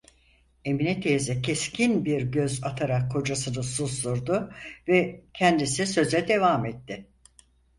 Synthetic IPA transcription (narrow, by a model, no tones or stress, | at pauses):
e̞minɛt̪ʰejzɛcʰɛscʰinbiɾɟø̞zat̪ʰaɾakʰːo̞d͡ʒasɯnɯsuslˠuɾd̪ʊvɛcʰɛnd̪isisø̞zɛd̪e̞vamɛt̪ːɪ